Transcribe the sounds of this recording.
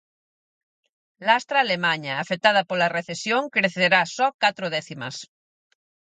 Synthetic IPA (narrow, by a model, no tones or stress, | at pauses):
last̪ɾaːlemaɲaːfet̪að̞ɐpolareθesjoŋkɾeθeɾasɔkat̪ɾoðɛθimɐ̰s